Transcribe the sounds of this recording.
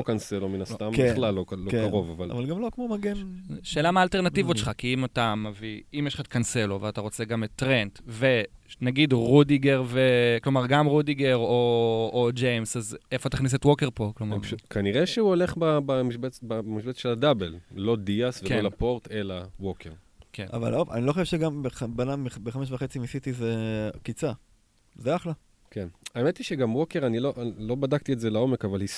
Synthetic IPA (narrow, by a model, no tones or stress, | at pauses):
okanselominast̪ambelalːolːokaʁo̞vavala̰valɡamlokmomaɡenʃe̞ːlamaːlte̞ʁnativoʃe̥χakiimatameviimjeʃlχatkanse̞loveataʁo̞t͡se̞ɡametːʁentve̞naɡidʁudiɡeʁveklo̞maʁɡamʁudiɡe̞ʁoː | d͡ʒejmsazefot̪aχnis̬etwo̞keʁpo̞klomaaʃkaniʁeʃeuoleχbabamiʃbebamiʃbet͡sʃeladabello̞diasveklolapo̞ʁt̪e̞lawokeʁ | kʰena̰va̰lova̰niloχoʃevʃeɡambeχabanaibeχameʃ̬vaχet͡simisit̪izekit͡sa | zeaχla | kenaemet̪iʃeɡamwokeʁaniloʔlo̞badakt̪ietzelao̞mekavalhis